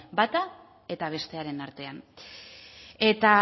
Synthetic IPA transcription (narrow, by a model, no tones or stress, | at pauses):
bat̪a | e̞t̪aβ̞e̞st̪e̞aɾe̞naɾt̪e̞an | e̞t̪a